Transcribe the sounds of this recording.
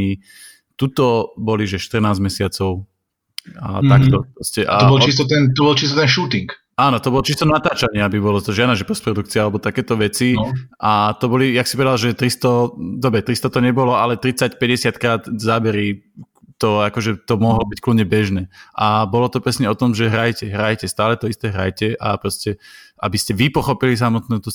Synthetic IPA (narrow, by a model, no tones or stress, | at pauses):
i | t̪ut̪ɔbɔliʒɛʃt̪r̩naːzmɛsɪat͡sɔʊ | a̰t̪akt̪ɔpɾɔscɛʔa̰ɔbɔlt͡ʃis̬t̪ɔt̪ɛnt̪ɔbɔlt͡ʃist̪ɔt̪ɛnʃuːt̪iŋk | aːnɔt̪ɔbɔlɔt͡ʃist̪ɔnat̪aːt͡ʃaɲɪabibɔlɔt̪ɔʒɪad̪naʒɛpɔspɾɔd̪ukt͡siaalɛbɔt̪akɛːt̪ɔʋɛt͡siʔat̪ɔbɔlijaksi̥pɔʋɛd̪alʒɛt̪ɾist̪ɔd̪ɔbɾɛt̪ɾist̪ɔt̪ɔɲɛbɔlɔalɛt̪ɾit͡sacpɛɟɛsɪat̪kɾaːt̪zabɛɾi | t̪ɔakɔʒɛt̪ɔmɔɦlɔbickludɲɛbɛʒnɛːʔabɔlɔt̪ɔpɾɛsɲɛɔt̪ɔmʒɛɦɾajcɛɦɾajcɛst̪aːlɛt̪ɔist̪ɛːɦɾa̰jcɛʔa̰pɾɔscɛa̰biscɛʋipɔxɔpilis̬amɔt̪nuːt̪ɔ